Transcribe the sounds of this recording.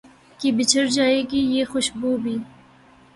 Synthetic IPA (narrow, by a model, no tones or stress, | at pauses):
kibɪt͡ʃʰəɾd͡ʒɑːekijexʊʃbuːbiː